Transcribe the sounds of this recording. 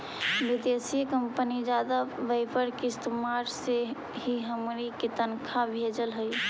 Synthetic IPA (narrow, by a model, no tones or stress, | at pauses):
bɪd̪esikəmpənid͡ʒaːd̪aʋəɪpʰəɾkist̪maːɾse | ɦiɦəmɾiket̪ənkʰabʱeːd͡ʒəlɦəj